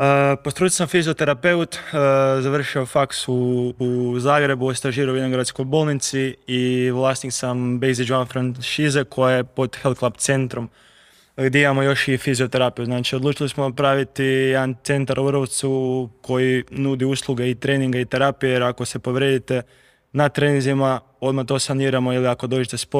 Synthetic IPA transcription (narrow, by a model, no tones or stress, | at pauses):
əpost̪ɾut̪ilsamfizio̞t̪e̞ɾape̞ut̪ːzaʋr̩ʃio̞faksuː | zaːɡɾe̞buost̪aʒiːɾauenoɡɾad̪sko̞jbo̞ːlˠnit̪siiʋlˠaːst̪niksambejzid͡ʒuafɾanʃizekʰo̞jajepo̞d̪xelˠd̪klˠabt̪se̞nt̪ɾom | ɡd̪ʲeimamo̞jo̞ʃifizio̞t̪e̞ɾapijuznaːt͡ʃiod̪lˠuːt͡ʃilismonapɾaʋit̪ijed̪ant̪se̞nt̪aɾuʋɾoʋt̪sukʰo̞jinud̪iuːslˠuɡe̞it̪ɾe̞ːniŋɡait̪e̞ɾaːpijejeɾako̞se̞po̞ʋɾjed̪it̪e̞ | nat̪ɾe̞ːnĩŋzima | o̞d̪mat̪o̞saniːɾamo̞iliako̞d̪oːd͡ʒet̪e̞spo